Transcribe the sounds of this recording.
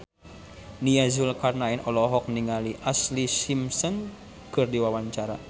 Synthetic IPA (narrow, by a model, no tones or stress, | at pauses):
niazulkarnainɔlɔɦɔk̚niŋaliʔaslisimsɔn | kɨrdiwawaɲt͡ʃaɾa̰